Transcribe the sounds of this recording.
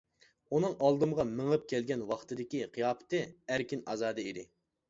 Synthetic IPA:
unɨŋʔɑlˠd̪ɨmʁɑmɨŋɨp̚kʲʰɛlɡʲɛnwɑχt̪ɨd̪ɪkʲiqʰijɑːpʰɨ̥t̪ɨæɾkʲinɑ̰zɑːd̪ɨeid̪ɪ

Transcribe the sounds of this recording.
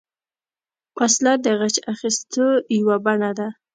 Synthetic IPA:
waslad̪əɣat͡ʃaxist̪əjawabaɳad̪a

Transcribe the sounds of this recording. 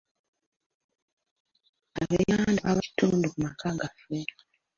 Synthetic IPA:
aβejandaβai̥tuːndukumakaɡafe

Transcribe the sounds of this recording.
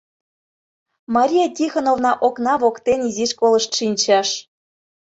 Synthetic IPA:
mɑɾʲijɑtʲixonovnɑʔoknɑβokt̪eniziʃkolɤ̆ʃt̪ʃinʲt͡ɕɑʃ

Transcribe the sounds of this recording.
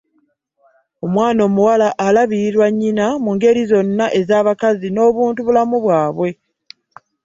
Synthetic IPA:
o̞mwaːno̞ːmuwalaʔːlaβiɾiɾwaɲːinamuŋɡe̞ɾizo̞nːaʔe̞zaːβakazino̞ːβuːntuβulamuβwaːβwe̞

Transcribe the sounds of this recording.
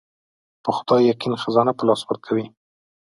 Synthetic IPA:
pəxʊd̪ɑjːaqinxazɑnapəlɑspʊɾt̪̚kʰawi

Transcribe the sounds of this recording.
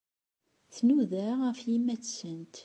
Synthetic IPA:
θnuðæɾʁəfjimːæθsənt̪

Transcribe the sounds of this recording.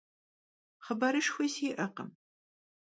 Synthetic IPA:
χəbɐɾɨʂxʷɐsiːʔɐqə̰m

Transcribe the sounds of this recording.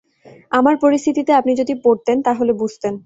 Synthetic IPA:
amaɾpoɾist̪ʰit̪it̪eapnid͡ʑod̪ipoɾt̪ent̪aɦolebud͡ʑʱt̪en

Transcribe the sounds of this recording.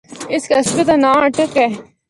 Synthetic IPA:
ɪskeɐsbɪt̪anãːɐʈəkɛː

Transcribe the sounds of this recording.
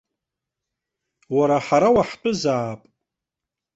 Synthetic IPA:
waɾaħaɾawaħtʼʊzaːpʼ

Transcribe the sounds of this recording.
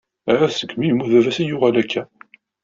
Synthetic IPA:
æɾæsə̥kːmijmːuðævæsijʊʁælækʰːæ

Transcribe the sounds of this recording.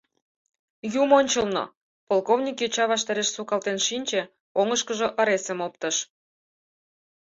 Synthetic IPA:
jumonʲt͡ɕəlno̰ | polkovnʲikjøt͡ɕɑβɑʃt̪ɑɾeʃsukɑlt̪enʃinʲt͡ɕĕ | oŋəʃkəʒoʔə̆ɾesə̆mop̚t̪ə̆ʃ

